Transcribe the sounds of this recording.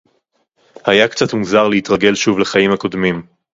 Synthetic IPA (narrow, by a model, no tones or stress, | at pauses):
hajakt͡sat̪muzaʁleit̪ʁaɡe̞lʃuvle̞χajimhako̞d̪mim